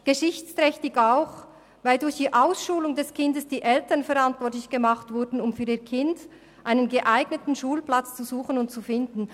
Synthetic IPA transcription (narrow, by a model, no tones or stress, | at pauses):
ɡ̥əʃɪçt͡stʁɛçtɪɡaʊx | vaɪldʊɾçd̥iːʔaʊsʃuːlʊŋdɛskʰɪndəsd̥iːʔɛltənfɛʁantvɔtlɪçɡ̥əmaχtvʊɐdn̩ʊmfyːɾiːɐkʰɪnd | ʔaɪnənɡəʔaɪɡnətn̩ʃuːlplat͡st͡suzuːxənʊnt̚t͡sufɪndn̩